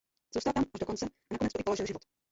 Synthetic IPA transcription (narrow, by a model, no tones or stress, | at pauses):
zuːst̪alt̪amʔaʒdokont͡sɛʔanakonɛt͡st̪oɪpoloʒɪlʒɪvot̪